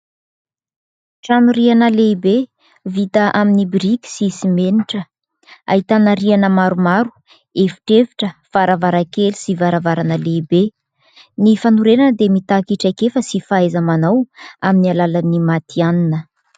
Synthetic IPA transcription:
ʈ͡ʂanuɾianəleibe | vit̪əʔaminibiɾikʲi̥sisimeniʈ͡ʂə | a̰ɦit̪anaɾianəmaɾumaɾu̥ | efi̥ʈ͡ʂeviʈ͡ʂəfaɾavaɾakeli̥sivaɾavaɾanəleibe | nifanuɾenanəd̪emit̪akiʈ͡ʂajkefəsifaezamanawaminialalanimat̪ʰianinə

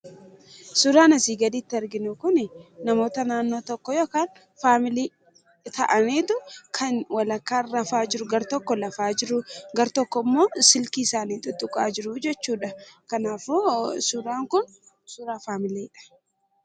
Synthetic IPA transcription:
sʊɾaːnɐsiːɡɐd̪iːt̪ːɪɐɾɡɪnʊkʊnɪnɐmo̞ːt̪ɐnaːnːo̞ːt̪ɔkːɔjoːkaːn | faːmɪliː | t̪ɐʔɐniːt̪ʊkʰɐnwɐlɐkːaːrːɐfaːd͡ʒɪɾʊɡɐɾt̪ɔkːɔlɐfaːd͡ʒɪɾʊɡɐɾt̪ɔkːɔmːo̞ːsɪlkiːɪsaːniːt̪ʊt̪ʼːʊkʼa̰ːd͡ʒɪɾʊd͡ʒɛt͡ʃːuːᶑɐkɐnaːfusʊɾaːŋkʊn | sʊɾaːfaːmɪleːɪᶑɐ̥

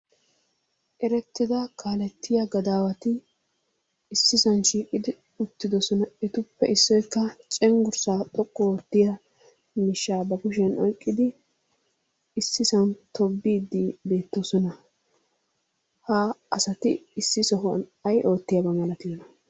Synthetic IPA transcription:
ʔɛɾɛt̪ːɪd̪ɐkʰaːlɛt̪ːɪjɐɡɐd̪aːwɐt̪ɪ | ɪsːɪsɐnʃiːkʼɪd̪ɪ | ʊt̪ːɪd̪ɔsɔnɐɛt̪ʊpːɛ̰ʔɪsːɔjkːɐt͡ʃʼɛŋɡʊɾsaːt̪ʼɔkʼːɔoːt̪ːɪjɐ | mɪʃːaːbɐkʊʃɛnɔjkʼːɪd̪ɪ | sːɪsɐnt̪ʰɔbːiːd̪ːibe̞ːt̪ːɔsɔnɐ | haɐsɐt̪ɪɪsːɪsɔɦɔnɐjʔo̞ːt̪ːɪjɐbɐmɐlɐt̪ɪjɔnɐ

